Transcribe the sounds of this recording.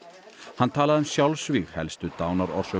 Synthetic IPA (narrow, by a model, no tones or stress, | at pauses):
hant̪ʰaːlaðʏmsjawlsviɣhɛlst̪ʏt̪aːwnaɾɔ̰ɾ̥sœ